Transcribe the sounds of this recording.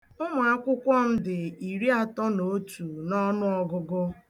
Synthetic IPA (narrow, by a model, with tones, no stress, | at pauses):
ʊ˦mʊ˨a˦kʷʊ˦kʷɔ˦m̩˦dɪ˨i˨ɾi˦a˦tɔ˦no˨˦tu˨nɔ˦nʊ˦ɔ˦ɡʊ˦ɡʊ˦